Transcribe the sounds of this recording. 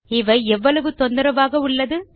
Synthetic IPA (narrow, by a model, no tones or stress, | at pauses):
ɪʋɐɛʋːɐɭɐʋɯt̪ɔnd̪ɯɾɐʋaːɣɐʊɭːɐðɯ